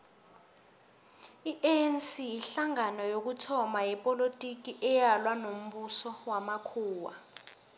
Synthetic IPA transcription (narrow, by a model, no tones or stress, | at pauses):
iʔɛnsijiɬaŋanɔjok̬utʰɔmajɛpʼolotʼik̬iʔɛjalwanom̩ɓusɔwamakʰuːwa